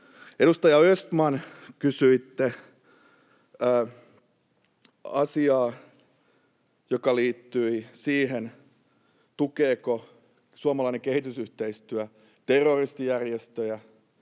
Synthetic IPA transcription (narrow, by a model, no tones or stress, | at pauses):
eɾust̪ɑjɑøst̪mɑnkysyit̪ːe | ɑsiɑː | jokɑliːt̪ːyisiːɦen | t̪ukeːko | suɑmɑlɑinekehit̪ysyht̪eist̪yæ | t̪erːorist̪ijærjest̪øjæ